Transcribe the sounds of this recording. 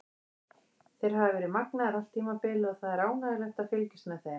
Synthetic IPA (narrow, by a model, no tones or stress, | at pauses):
θejɾ̥ɦavɪvɛːɾɪðmaknaðɪɾal̥t̪ʰːiːmapɪlɪɔθaðɛɾaːwnaðɪlɛxt̪aðfɪlcɪ̥st̪mɛθe